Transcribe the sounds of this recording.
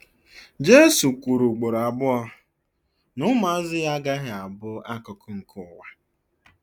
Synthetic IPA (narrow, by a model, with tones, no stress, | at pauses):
d͡ʒe˦su˨kʷu˨ɾu˨ɡ͡bo˨ɾa˨bʊ˦ɔ˧ | nʊ˦ma˦zɪ˦ɣa˦ɡa˦ɦɪ˨a˨bʊ˦a˦kʊ˨kʰʊ˦ŋ̩˨kʰʊ˨wa˨